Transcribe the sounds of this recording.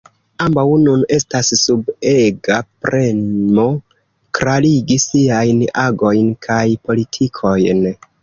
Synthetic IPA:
ambawnune̞stasːubeɡapɾe̞mo̞ | kɾaliɡisiajnaɡo̞jnkʰajpo̞litʰikʰo̞jn

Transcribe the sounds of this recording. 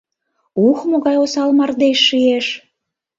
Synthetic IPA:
uxmoɣɑjosɑlmɑrd̪eʃːieʃ

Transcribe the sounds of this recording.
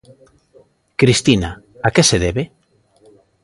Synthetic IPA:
kɾist̪ina | akeseðeβe

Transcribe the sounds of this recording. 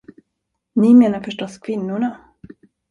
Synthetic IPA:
nɪmeːnaɾfœʂʈɔskʰvɪnːʊɳa

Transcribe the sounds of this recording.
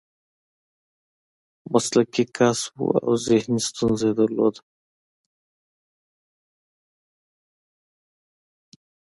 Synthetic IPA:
mɐslɐkikaːswṵa̰wzehnist̪unzeːd̪ɐlo̰ːd̪

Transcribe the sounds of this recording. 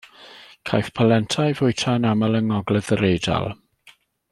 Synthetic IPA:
kʰajθpʰalɛntʰajvʊjtʰaənaməlˠəŋɔɡlɛðəɾejda̰lˠ

